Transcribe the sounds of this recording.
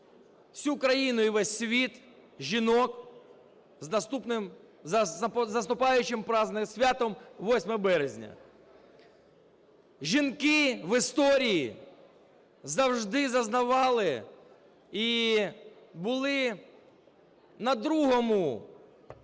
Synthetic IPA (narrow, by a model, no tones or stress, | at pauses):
sʲukɾɐjinʊiʋɛsʲsʲʋʲit̪ | ʒinɔk | znɐst̪upnɪm | zɐst̪ʊpɑjʊt͡ʃɪmpɾɑznɪsʲʋʲat̪ɔmʋɔsʲmɐbɛɾezʲnʲɐ̰ | ʒʲinkɪʋɪst̪ɔɾʲiji | zɐwʒd̪ɪzɐznɐʋɑlˠɪ | i | bʊlˠɪ | nɐd̪ɾuɦɔmʊ